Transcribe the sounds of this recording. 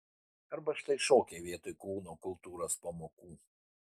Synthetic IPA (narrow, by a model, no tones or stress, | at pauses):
ɐɾbɐʃt̪ɐɪʃoːkʲeːʋʲiɛt̪oːɪkluːnoːkʊlˠˑt̪uːɾospɐmoːkuː